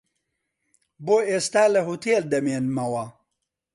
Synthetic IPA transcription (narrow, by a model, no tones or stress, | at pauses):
boːeːst̪aːləɦut̪ʰeːld̪ɐmeːnmɐwɐ